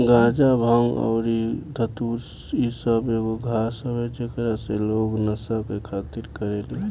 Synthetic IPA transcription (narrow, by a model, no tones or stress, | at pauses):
ɡãːd͡ʒabʱəŋɔ̰ːɾid̪ʱət̪uɾ | isəbeɡoɡʱasəbed͡ʒekəɾaseloːɡnəsabkekʰaːt̪iɾkəɾele